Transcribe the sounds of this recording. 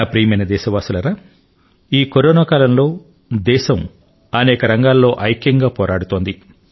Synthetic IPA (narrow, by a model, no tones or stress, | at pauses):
apɾijmɐjnɐd̪ɛːʃɐʋaːsulɐɾaː | iːkoɾoːnaːkaːlɐmlo̞ː | d̪ɛːʃɐm | ɐnɛːkɐɾɐŋɡaːlːo̞ːʔɐjkjɐŋɡaːpɔːɾʔaːɽut̪oːnd̪i